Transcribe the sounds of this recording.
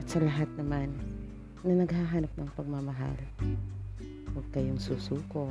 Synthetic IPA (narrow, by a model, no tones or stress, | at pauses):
ɐt̪sɐlɐɦat̪̚nɐmanː | ɐnɐɡhaɦanap̚nɐŋpɐɡ̚mamɐɦa̰l | wɐɡ̚kɐjoŋsuːsuːko